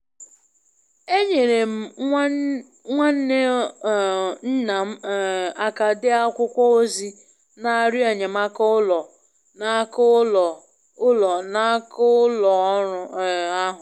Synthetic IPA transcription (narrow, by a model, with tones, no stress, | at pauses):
e˦ɲe˨ɾe˨m̩˨˦ | ŋʷa˦n̩˦ne˦˨ | n̩˦na˨m̩˦˨a˨ka˨dɪ˦a˦kʷʊ˦kʷɔ˦o˦zi˦ | na˨ɾʊ˦e˨ɲe˨ma˦kʊ˦lɔ˨ | na˦kʊ˦lɔ˨ | ʊ˦lɔ˨na˦kʊ˦lɔ˨˦ʊ˨a˦ɦʊ˨